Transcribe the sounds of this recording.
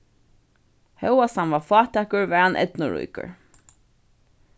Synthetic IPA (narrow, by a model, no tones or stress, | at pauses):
hɛwasanvafɑːt̪ʰɛːkʊɹvɛanʔɛ̰t̪nʊɹṵjkə̰ɹ